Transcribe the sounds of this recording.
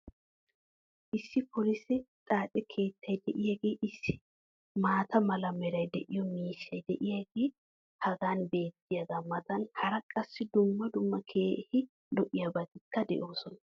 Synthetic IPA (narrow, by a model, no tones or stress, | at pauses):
ʔɪsːɪpʰɔlɪsɛt̪ʼaːt̪ʼɛkʰe̞ːt̪ʰːɐjd̪ɛʔɪjɐɡe̞ːʔɪsːɪ | maːt̪ɐmɐlɐmɛɾɐjd̪ɛʔɪjɔmiːʃːɐjd̪ɛʔɪjɐɡeː | hɐɡaːnbe̞ːt̪ːɪjɐɡaːmɐt̪ɐnhɐɾɐkʼɐsːɪd̪ʊmːɐd̪ʊmːɐkʰeːhɪ | lɔʔɪjabɐt̪ɪkːɐd̪ɛ̰ʔo̞ːsɔnɐ